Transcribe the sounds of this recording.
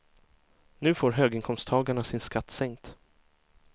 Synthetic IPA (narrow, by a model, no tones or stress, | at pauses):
nʉ̟ːfoːɾɦøːɡɪŋkʰɔmst̪ʰɑːɡaɳasɪnskat̪ːsɛŋkt̪